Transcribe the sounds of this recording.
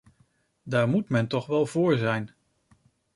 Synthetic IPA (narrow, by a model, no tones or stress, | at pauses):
daːɹmutmɛntɔχʋɛlˠv̥ʊːɹzɛjn